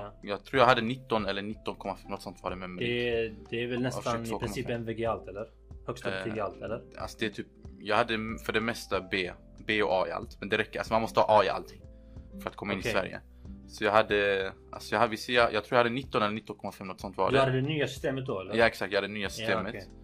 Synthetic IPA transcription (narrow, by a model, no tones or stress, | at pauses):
jɑːɡ̚t̪ʰɾuːɾjaɡhad̪ːənɪt̪ːɔnɛlːəɳɪt̪ːɔnkʰɔmːafɛmnɔt̪sɔnt̪vɑ̰ːɾɛmɛmɛɛd̪ɛːɾvɛlnɛsfanʰoːkːɾɪɔmsiːpɛnvɛɡealt̪ɛlːəɾ | hœɡst̪aiɡalt̪ɛlːəɾa̰lsɔd̪ɛæt̪ʰyːp̚jɑːɡhad̪ːfœɖɛmɛst̪abeː | beːɔʔɑːɪ̰a̰lt̪mɛnd̪ɛɾɛkːəɾa̰lsɔmanmɔst̪əhɑ̰ːʔɑːɪʔa̰lt̪ʰɪŋː | fœɾat̪̚kʰɔmaɪnːɪsvæ̰ɾjə̰ | sɔjɑːɡɦad̪ːəʔa̰lsɔjaːhad̪vɪsɛajʔɑːɡt̪ʰɾuːjahad̪ːənɪt̪ːɔnɛlːəɳɪt̪ːɔnkʰɔmːafɛmːnɔt̪sɔnt̪vɑ̰ːdɛhad̪əd̪ɛnyːasʏ̥st̪eːmət̪̚d̪ɔɛlːjɑːɛksakt̪jɡhad̪d̪ɛnyːasʏ̥st̪eːmət̪